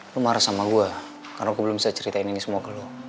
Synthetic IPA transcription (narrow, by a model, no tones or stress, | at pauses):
lumaɾasamaɡua | karnaɡubəlʊmsat͡ʃəɾit̪aininisəmuakəlu